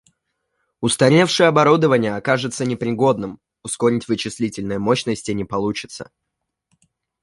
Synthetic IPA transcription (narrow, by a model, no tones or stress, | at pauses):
ʊst̪ɐɾʲefʂɨjəɐbɐɾud̪əvənʲɪjəɐkaʐɨt̪sənʲɪpɾʲɪɡo̞d̪nɨm | ʊsko̞ɾʲɪtʲvɨt͡ɕɪsʲlʲitʲɪlʲnɨjəmo̞ɕnəsʲtʲɪnʲɪpɐlˠut͡ɕɪ̥t̪sə̥̰